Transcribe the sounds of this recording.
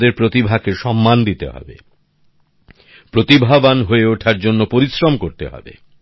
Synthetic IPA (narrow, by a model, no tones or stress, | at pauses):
d̪eɾpɾot̪ibʱakeʃɔmːand̪it̪ḛɦɔ̰bḛ | pɾot̪ibʱabanɦoeoʈʰaɾd͡ʑonːopoɾisɾomkoɾt̪ḛɦɔ̰bḛ